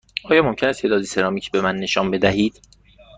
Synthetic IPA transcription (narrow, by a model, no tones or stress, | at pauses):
ʔɒːjɒːmo̞mcʰenæst̪ʰeːd̪ɒːd̪ise̞ɾɒːmiːcʰbe̞mænːe̞ʃɒːnbe̞d̪æhiːd̪̥